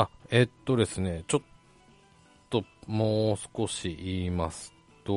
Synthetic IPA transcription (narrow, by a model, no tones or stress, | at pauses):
ae̞t̪ːo̞d̪e̞sɨne̞t͡ɕo̞t̪ | o̞moːsɨ̥ko̞ɕiʔiːmasɨ̥ | t̪o